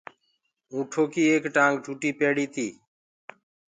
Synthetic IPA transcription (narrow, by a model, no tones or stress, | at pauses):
ũːʈʰoːkiːeːkʈãːŋɡɖʱuːʈiːpeːɽiːt̪iː